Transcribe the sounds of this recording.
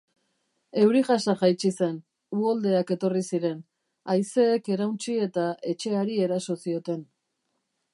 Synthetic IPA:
e̞wɾiʝasaʝajt͡ʃise̞n | uold̪e̞ake̞t̪o̞risiɾe̞n | ajse̞ːke̞ɾawnt͡ʃie̞t̪ae̞t͡ʃe̞aɾie̞ɾaso̞sio̞t̪e̞n

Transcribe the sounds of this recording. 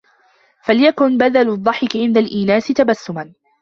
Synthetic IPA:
faljakʊnbad̪alʊðˤːɑħɪkʕɪnd̪alʔiːnaːsɪt̪abasːʊman

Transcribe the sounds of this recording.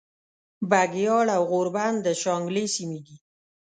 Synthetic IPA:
baɡjɑɽawɣoɾband̪əʃɑŋɡlesimed̪i

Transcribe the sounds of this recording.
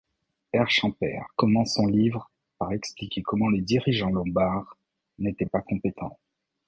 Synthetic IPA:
ɛʁʃɑ̃pɛ̰ʁkɔmɑ̃sɔ̃livʁ | paʁɛksplikʲekɔmɑ̃led̪iʁiʒɑ̃lɔ̃baʁ | net̪ɛpakɔ̃pet̪ʰɑ̰̃

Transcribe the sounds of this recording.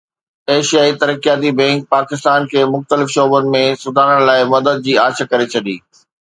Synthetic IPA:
eːʃijaːit̪ɐɾəkijaːt̪̬ibɛ̃ːŋk̚paːkɪst̪aːnkʰeːmʊxt̪əlɪfʃɔːbʊnɪ̆mẽsʊd̪ʱaːnəɽlaːɪmɐd̪əd̪̚d͡ʑiːaːt͡ɕʰəkɐɾet͡ɕʰɐɗḭː

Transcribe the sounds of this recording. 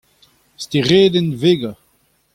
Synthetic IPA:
st̪iʁeːdɛnveːɡa

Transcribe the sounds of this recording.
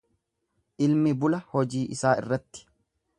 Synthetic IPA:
ʔɪlmɪbʊlɐhɔd͡ʒiːʔɪsaːʔɪ̰rːɐt̪ːɪ̥

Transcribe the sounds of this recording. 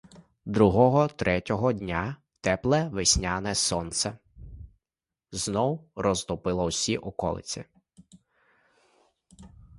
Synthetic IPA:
d̪ɾuɦɔɦɔt̪ɾɛtʲɔɦɔdʲnʲa | t̪ɛplˠɛʋɪsʲnʲanɛsɔnt̪sɛ | znɔwrɔzt̪ɔpɪlˠɐwsʲiʔɔkɔ̰lˠɪ̰t͡sʲi

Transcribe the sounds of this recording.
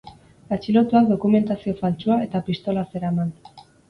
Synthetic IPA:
at͡ʃilo̞t̪uak̚d̪o̞kume̞nt̪asio̞falt͡ʃuae̞t̪apist̪o̞lase̞ɾaman

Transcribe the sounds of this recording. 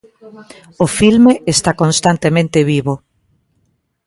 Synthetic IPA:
ofilmeʔest̪akõnst̪ant̪emẽnt̪eβiβo

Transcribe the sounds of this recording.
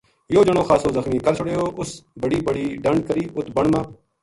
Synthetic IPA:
joːd͡ʒəɽ̃õːxaːsoːzəxmiːkəɾt͡ʃʰʊɽeːoːʔʊsbəɽiːbəɽiːɖəɳɖ̚kəɾiːʔʊt̪bəɳmãː

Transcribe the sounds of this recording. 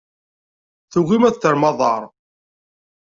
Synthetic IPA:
θuɣimæθθəɾmɑðˤɑɾˤ

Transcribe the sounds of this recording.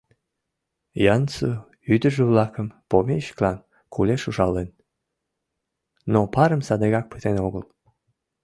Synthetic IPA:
jɑnsu | yd̪əʒəβlɑkəmpomeɕə̥klɑn | kʰuleʃuʒɑlen | nopɑɾəmsɑd̪eɣɑk̚pə̥t̪enoɣəl

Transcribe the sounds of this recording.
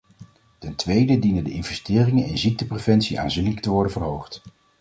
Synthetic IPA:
tɛntʋejdədinəndəʔɪnvɛstɪːrɪŋənɛnzik̚təprevɛntsiʔa̰ːnzinɪləktəʋɔɹdənvərɦowχt

